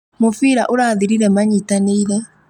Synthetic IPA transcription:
mofiɾaʔoɾaːðiɾiɾɛmaɲitaneiɾɛ

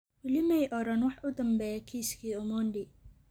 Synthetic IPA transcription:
wɪlɪmɛjʔɔɾɐnwɑħʔʊd̪ɐmbɛːjkʰiːskʰiːʊmɔːɳɖɪ

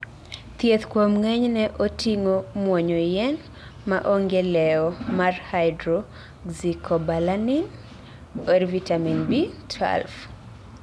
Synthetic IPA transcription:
t̪jet̪kwomŋɛɲnɛʔotiŋomwɔɲɔjɛn | maʔoŋɡelɛɔmarhaɪdɾo | ɡzikʰɔbalanin | ɔrvitaminbitʰa̰lf

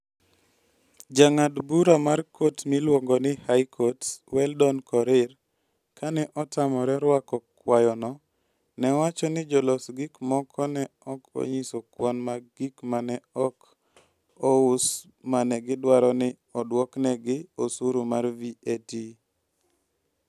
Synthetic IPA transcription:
d͡ʒaŋadbuɾamarkʰotmilwɔŋɡɔnɪhajkʰɔtwɛldɔnkɔɾɪr | kʰanɛʔɔtamɔɾɛɾwakɔkwajɔnɔ | nɛwat͡ʃɔnɪd͡ʒɔlɔsɡikmɔkʰɔnɛɔkɔ̰ɲisɔkwɔnmaɡikmanɛɔk | ɔʊs | manɛɡɪdwaɾɔnɪ | ɔdwɔknɛɡɪosuɾumarvieti

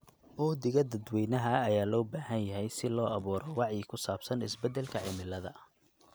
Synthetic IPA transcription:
ʔʊd̪ɪɣɐd̪ɐd̪wɛjnɐɦɐːjaːlɔːbaːɦɐnjɐɦɛjsɪlɔːɐβuːɾɔwɑʕjikʰʊsaːbsɐnɪsbɛd̪ɛlkʰɐʕɪmɪlːɐðɐ

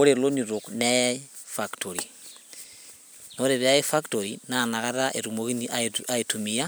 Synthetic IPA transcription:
oɾeloniɾoknɛfaktʰoɾi | noɾeβeaefaktoɾinanaɣaɾaʔeɾumoɣiniʔaaetumija

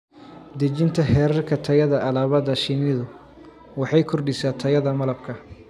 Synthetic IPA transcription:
d̪ɐt͡ʃɪnt̪ʰɐɦɛːɾɐrkʰɐt̪ʰɐjɐðɐʔɐlaːβɐðɐʃɪnɪðʊ | wɑħɑjkʰɔrɖɪsaːt̪ʰɐjɐðɐmɐlɐb̚kʰɐ

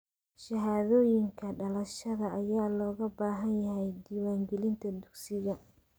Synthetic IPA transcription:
ʃɐɦaːðɔːjɪŋkʰɐɖɐlɐʃɐðɐːjaːlɔːɣɐbaːɦɐnjɐɦɛjd̪iːwaːŋɡɛlɪnt̪ʰɐd̪ʊɡsɪɣɐ

